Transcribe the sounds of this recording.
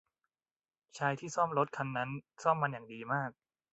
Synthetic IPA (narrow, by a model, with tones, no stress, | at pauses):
t͡ɕʰaː˧jt̪ʰiː˥˩sɔ˥˩mɾo˦˥t̪̚kʰa˧nːa˦˥nsɔː˥˩mːa˧njaː˨˩ŋdiː˧maː˥˩k̚